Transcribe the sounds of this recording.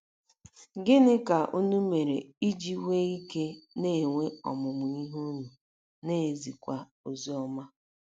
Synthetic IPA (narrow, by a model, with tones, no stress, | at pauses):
ɡɪ˦nɪ˦ka˨ʔu˦nu˦me˨ɾe˨i˦d͡ʒi˦we˦i˦ke˦ne˦˨ŋʷe˦ɔ̰˨mʊ˨mʊ˨i˦ɦu˦nu˨ | ne˦˨zi˨kʷa˦ | o˨zi˨˦ɔ˦ma˦